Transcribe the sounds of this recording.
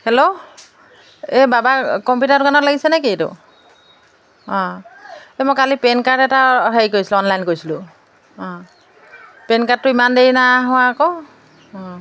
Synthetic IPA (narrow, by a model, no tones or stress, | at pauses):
hɛlo | ɛbabakɔmpjutatʊkanɔtlaɡisɛnaketʊ̰ | ɔ̃ | ɛmojkalipɛnkatɛtaɦaikoɹjsilʊɔnlajnkojsilʊ̃ | ɔ̃ | penkat̚tʊimandeinaɦʊwaːkɔ | ɔ̃